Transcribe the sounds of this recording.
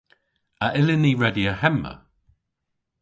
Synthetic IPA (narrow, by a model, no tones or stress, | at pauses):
əʔɪlɪniɹɛdiəhɛmːə̰